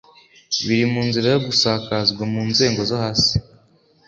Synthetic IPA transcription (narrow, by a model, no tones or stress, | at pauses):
βiɾimuːnziɾajoɡusaːkazɡwamuːnze̞ːŋɡo̞zohaːsi̥